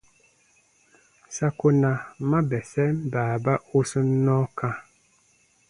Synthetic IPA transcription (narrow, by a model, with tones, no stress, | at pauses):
sa˦ko˦na˨ma˦bɛ˨sɛ˦m˦baː˨ba˦o˦sə˦nɔ˦ka˦